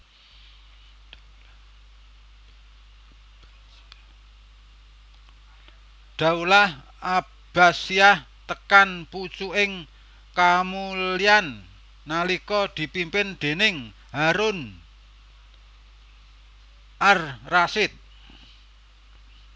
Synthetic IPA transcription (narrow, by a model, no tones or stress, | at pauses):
ɖ̪̥a̤ulah | a | b̥a̤siah | t̪əkanput͡ʃuɪŋ | kamulianː | alikɔd̪̥i̤pimpɪnd̪̥e̤nɪŋ | ɦaɾʊn | ʔarrasɪt̪̚